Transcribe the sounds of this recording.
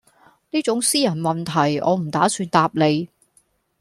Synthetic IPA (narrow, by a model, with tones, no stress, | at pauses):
niː˥t͡sʊ˨˥ŋsiː˥jɐ˨˩nmɐ˨˩nt̪ʰɐ˨˩jɔ̰ː˨˧m̩˨˩t̪aː˨˥syː˧nt̪aː˧p̚le˨˧j